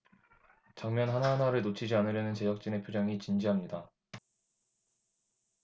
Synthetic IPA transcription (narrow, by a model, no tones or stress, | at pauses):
t͡ɕaŋmjʌnɦanaɦanaɾɯɭnot͡ɕʰid͡ʑianɯɾjʌnɯnt͡ɕe̞jʌk̚t͡ɕ͈ine̞pʰjod͡ʑʌŋit͡ɕind͡ʑiɦamɲida